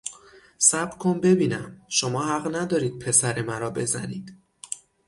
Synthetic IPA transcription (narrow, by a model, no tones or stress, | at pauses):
sæb̥ɾkʰombe̞biːnæmʃo̞mɒːhæɢnæd̪ɒːɾiːd̪̥̚pʰe̞sæɾemæɾɒːbe̞zæ̰niːd̪̥